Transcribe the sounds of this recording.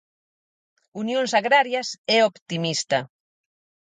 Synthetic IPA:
unjõŋsaɣɾaɾjɐsɛopt̪imist̪ɐ

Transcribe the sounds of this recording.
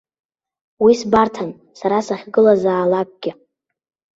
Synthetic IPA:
wisbartʰan | saɾasaχʲɡɨlazaːlak̚ʷʼɡ̥ʲɪ

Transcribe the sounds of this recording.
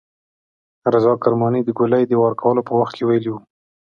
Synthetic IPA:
ɾazɑkaɾmɑnid̪əɡʊlajd̪əwaɾkʰawəlopəwaxt̪̚kʰewajəliwu

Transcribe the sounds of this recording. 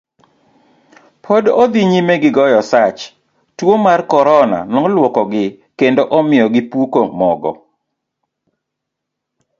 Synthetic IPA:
pʰodod̪iɲimeɡɪɡɔjɔsat͡ʃ | twomarkɔɾɔna̰nɔlwɔkɔɡɪ | kendoʔɔmɪɔɡɪpukomɔɡɔ̰

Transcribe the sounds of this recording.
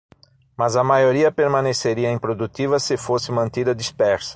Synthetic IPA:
mɐzɐmajoɾiɐpeɾmɐ̃neseɾiɐẽpɾod̪ut̪ivɐsɪfosɪmɐ̃nt̪id̪ɐd̪ispɛɾsɐ̥

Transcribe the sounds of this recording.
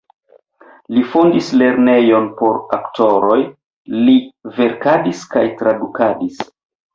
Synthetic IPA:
lifondisle̞ɾne̞jo̞npo̞ɾaktʰo̞ɾo̞j | live̞ɾkadiskajtɾadukadis

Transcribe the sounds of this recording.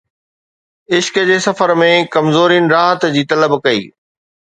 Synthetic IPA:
ɪʃkd͡ʑeːsɐfəɾmẽkɐmzoːɾinɪ̆ɾaːɦət̪d͡ʑiːt̪ɐləbkɐḭː

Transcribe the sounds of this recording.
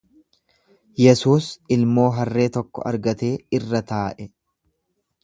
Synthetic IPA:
jɛsuːsɪlmo̞ːɦɐrːe̞ːt̪ɔkːɔ̰ɐ̰ɾɡɐt̪e̞ːɪrːɐt̪aːʔɛ

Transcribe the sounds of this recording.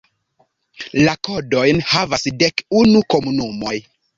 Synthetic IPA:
lako̞do̞jnhavasde̞kunuko̞munumo̞j

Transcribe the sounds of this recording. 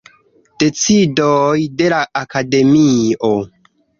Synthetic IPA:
d̥e̞t͡sidojde̞laʔakade̞mio

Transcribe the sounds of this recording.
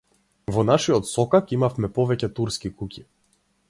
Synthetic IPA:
vɔnaʃiɔt̪sɔkakimafmɛpɔvɛcɛt̪uɾskikucʲi̥

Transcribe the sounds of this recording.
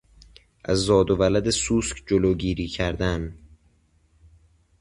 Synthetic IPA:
ʔæzːɒːd̪ovælæd̪esuːskd͡ʒoloːɟiːɾiːcʰæɾd̪æn

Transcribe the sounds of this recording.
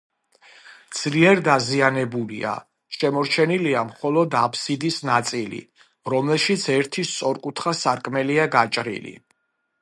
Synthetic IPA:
d̪z̥liɛɾd̪azianɛbulḭa̰ | ʃɛmɔɾt͡ʃʰɛniliamχɔlɔd̪apʰsid̪isnat̪sʼilḭ | ɾɔmlɛlʃit̪sʰɛɾt̪ʰist̪sʼɔɾkʼut̪ʰχasaɾkʼmɛliaɡat͡ʃʼɾḭlḭ

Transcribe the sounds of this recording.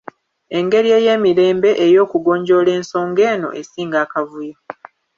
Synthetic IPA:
e̞ŋɡe̞ɾie̞ːje̞ːmiɾe̞ːmbe̞ʔejo̞ːkuɡo̞ːɲɟo̞le̞ːnso̞ːŋɡe̞ːno̞̰ʔesiːŋɡaːkavuja

